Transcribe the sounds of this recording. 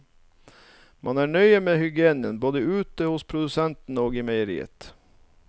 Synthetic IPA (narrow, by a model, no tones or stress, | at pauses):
mʔɑnæːɳœʏəmeːhʏɡɪeːnənboːd̪əʉːt̪əhʊspʰɾʊd̪ʉsɛnt̪n̩oːɡɪmæɪəɾḭːə̰t̪